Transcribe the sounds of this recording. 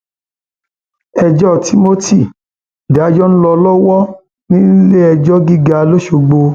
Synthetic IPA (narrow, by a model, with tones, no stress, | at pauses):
ɛ˧d͡ʒɔ˦˨tʰi˦mo˦ti˦˨ | da˨˦d͡ʒɔ˦ñ̩˦lɔ˧lɔ˦wɔ˦ | nĩ˦le˦ɛ˧d͡ʒɔ˦ɡi˦ɡa˧lo˦ʃo˧ɡ͡bo˧